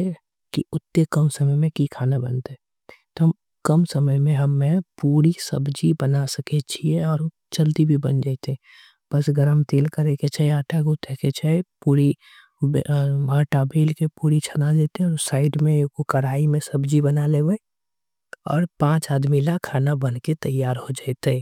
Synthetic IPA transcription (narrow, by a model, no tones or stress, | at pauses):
kiʊt̪ːekəmsəməjmẽkikʰaːnabə̰nt̪eɦɛ | t̪oɦəm | kəmsəməjmẽɦɐmːẽpuːɾisə̰bd͡ʒibənasəket͡ʃʰieɔːɾ | t͡ʃəlt̪ibʱibənd͡ʒaːt̪eɛ̃ | bəsɡəɾəmt̪eːlkəɾeket͡ʃʰəeaːʈʰaɡut̪ʰeket͡ʃʰəepuːɾi | baːʈabeːlkepuːɾit͡ʃʰənad͡ʒeːt̪ẽɔːsaːɪɖmẽkokəɾaːimẽsəbd͡ʒibənaleːbəe | ɔ̰ːɾpãːt͡ʃaːd̪milakʰːaːnabənket̪əjːaːɾhod͡ʒaːt̪e